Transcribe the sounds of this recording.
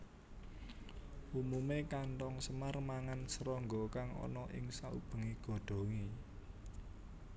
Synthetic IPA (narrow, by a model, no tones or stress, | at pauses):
ʔumumekaɳʈɔŋsəmarmaŋansəɾɔŋɡɔkaŋɔ̰nɔʔɪ̰ŋsaṵb̥ə̤ŋiɡ̥ɔ̤ɖ̪̥ɔ̤ŋe